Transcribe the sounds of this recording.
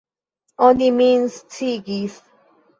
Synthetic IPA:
õnlimĩnstʰiɡis

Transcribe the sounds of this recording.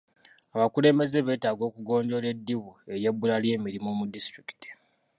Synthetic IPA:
aβakule̞mbe̞ze̞βe̞ːtaːɡo̞ːkuɡo̞ːndo̞le̞dːiβue̞ɾje̞bːulalje̞ːmiɾimomudistɾiki̥ti̥

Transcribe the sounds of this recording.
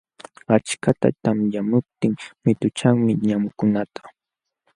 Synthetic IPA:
at͡ʃkat̪a̰t̪amjamʊp̚t̪ɪŋmɪt̪ʊt͡ʃaŋmɪɲamʊkʊnat̪ʰḁ

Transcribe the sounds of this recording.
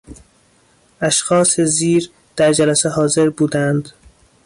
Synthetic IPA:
æʃxɒːseziːɾ | d̪̥æɾd͡ʒælæsehɒːze̞ɾbuːd̪ænd̪

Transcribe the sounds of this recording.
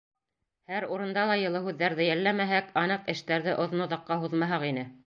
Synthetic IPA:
hæɾuɾɤ̆nd̪ɑlˠɑjɤ̆lˠɤɦʉðːæɾðɘjælːæmæɦækɑnɤqɘ̆ʃt̪æɾðɘʔŏðnoðɑ̆qːɑɦuðmɑɦɑqinɘ

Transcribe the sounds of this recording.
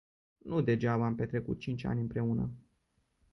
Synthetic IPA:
nud̪e̞d͡ʒavəampe̞t̪ɾe̞kṵt̪̚t͡ʃint͡ʃʲa̰nʲɨnpɾe̞unə̰

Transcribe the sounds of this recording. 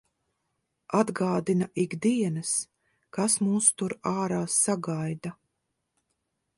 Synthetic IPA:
ad̪ɡaːd̪inaʔiɡd̪iɛnas | kasmuːst̪uɾaːɾaːsːaɡajd̪a

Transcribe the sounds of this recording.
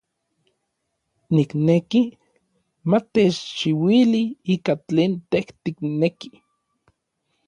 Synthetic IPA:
nikneki | mat̪et͡ʃt͡ʃiwiliiːkat͡ɬeːnt̪eht̪ikneki̥

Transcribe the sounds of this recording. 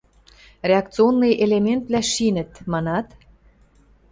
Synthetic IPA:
rʲeɑk̚t͡sɨonːɯjʔelement̪̚βlʲæʃinə̆t̪mɑnɑt̪

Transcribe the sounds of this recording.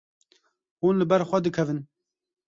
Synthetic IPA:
huːnlɨbɛɾxʷɛd̪ɨkʰɛvɨn

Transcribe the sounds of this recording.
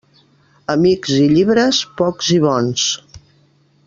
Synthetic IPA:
əmikziʎiβɾəspɔkziβ̞ɔns

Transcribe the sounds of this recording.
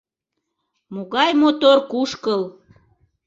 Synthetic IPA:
moɣɑjmot̪orkuʃkəl

